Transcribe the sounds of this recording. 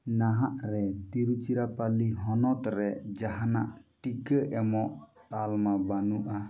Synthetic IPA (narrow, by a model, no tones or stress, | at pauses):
naɦaʔɾɛt̪iɾut͡ʃiɾapaliɦɔnɔt̪ɾɛd͡ʒaɦana̰ʔʈikəʔɛmɔʔtalmabanuʔa